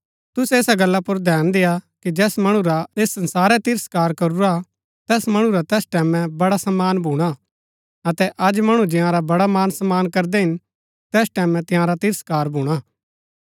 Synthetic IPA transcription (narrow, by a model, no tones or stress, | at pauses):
t̪ʊseːsaɡɐlːapʊɾd̪ʱɛːnd̪ejakid͡ʒɛːsmɐɽ̃uɾaeːsːɐ̃nsaːɾɛt̪ɪɾəskaːɾkɐɾuɾa | t̪ɛːsmɐɽ̃ũɾat̪ɛːsʈɛːmɛ̃bɐɽasɐmːaːnbʱuːɽ̃a | ɐt̪ɛʔɐd͡ʒmɐɽ̃ũd͡ʒɪ̃ãɾabɐɽamaːnsɐmːaːnkɐɾd̪ɛɦɪn | t̪ɛːsʈɛːmɛ̃t̪ɪ̃jãɾat̪ɪɾəskaːɾbʱuːɽ̃aː